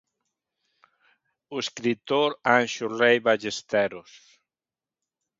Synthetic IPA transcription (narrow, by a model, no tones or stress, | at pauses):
ueskɾit̪oɾanʃurejβaʒest̪ɛɾos